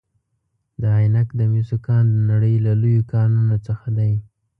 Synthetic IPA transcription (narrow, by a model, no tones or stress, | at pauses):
d̪əɦajnakd̪əmjusokɑnd̪ənaɽəjlalujokɑnunot͡səxad̪aj